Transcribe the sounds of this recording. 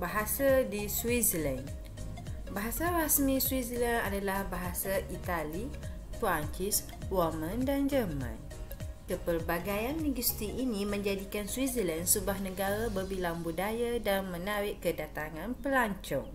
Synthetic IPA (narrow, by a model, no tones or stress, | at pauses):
baɦasadiswizəlan | baɦasaɾasmĩswizəlana̰dalahbaɦasaʔit̪ali | fɾaɲt͡ʃis | wɔmãndand͡ʒərmã̰n | kəpərbaɡajanːiɡust̪iʔːnĩmə̃ɲd͡ʒadikanswizəlansubuahnəɡaɾabərbilaŋbudajadanmə̃naɾɪʔkədat̪aŋãnpəlaɲt͡ʃɔ̰ŋ